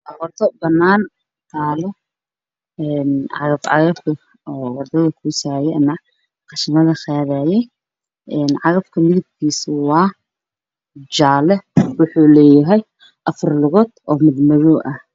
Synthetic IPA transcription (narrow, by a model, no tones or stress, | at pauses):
ʔɐwʊrt̪ʰɔbɐnːaːn | t̪ʰaːlɛ | ɛːnʕɑ̰ɣɐbʕɑ̰ɣɐbkʰɐ | ɔːwɐrd̪ɐðɐkʰuːsaːjɛɐnɐ | qɑʃɐmɐðɐχaːðaːjɛj | ʔɛːnʕɑɣɐbkʰɐmɪðɪb̚kʰiːsʊwɑː | d͡ʒaːlɛwʊħuːlɛːjɐɦɛj | ʔɐfɐrlʊɣɔːd̪ɔːmɪd̪mɐðɔʔɐh